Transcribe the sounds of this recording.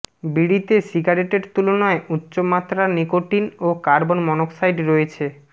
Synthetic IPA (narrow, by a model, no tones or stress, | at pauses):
biɽit̪esiɡaɾeʈeɾt̪ulonɔeutːɕomat̪ːɾanikoʈinokaɾbonmɔnoksajɖɾoet͡ɕʰe